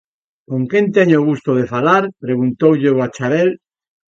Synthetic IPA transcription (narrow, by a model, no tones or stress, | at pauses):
kõŋkent̪eɲoɣ̞ust̪oðefalaɾpɾeɣunt̪owʎewat͡ʃaβel